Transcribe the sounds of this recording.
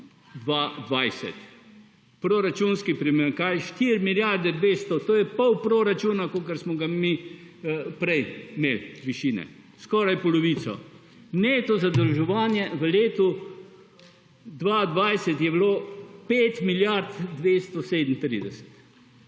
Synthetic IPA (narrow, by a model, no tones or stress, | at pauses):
d̪ʋad̪ʋajsɛ̰t̪ | pɾoɾat͡ʃunskipɾimeːɾkajʃt̪iɾmiljaɾd̪ɛd̪ʋeːst̪ɔt̪oːjɛpɔwpɾoɾat͡ʃuːnakokəɾsmɔɡami | pɾɛjmeːlʋiʃiːnɛ̰ | skɔːɾajpɔlɔʋiːsɔ̰ | net̪ɔzad̪əlʒɛʋaːnjɛʋəleːt̪u | d̪ʋad̪ʋajsɛt̪jɛbloːpeːt̪miljaɾt̪d̪ʋeːst̪ɔseːd̪ən̩t̪ɾḭd̪ɛsɛ̥t̪